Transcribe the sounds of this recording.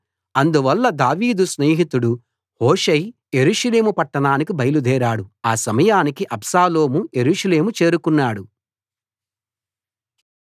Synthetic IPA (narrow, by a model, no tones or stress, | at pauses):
ɐnd̪uʋɐlːɐd̪aːʋiːd̪usne̞ːɦit̪uɽu | hoːʂɐj | je̞ɾuːʂɐle̞ːmupɐʈːɐɳaːnikibʱɐjɐlud̪ʱɛːɾaːɽuaːsɐmɐjaːnikiʔɐbsaːlo̞ːmuje̞ɾuːʂɐle̞ːmut͡ʃe̞ːɾukunːaːɽu